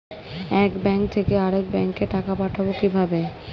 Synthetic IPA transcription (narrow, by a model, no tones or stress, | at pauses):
ɛkbɛŋk̚t̪ʰekeaɾek̚bɛŋkːeʈakapaʈʰabokibʱabe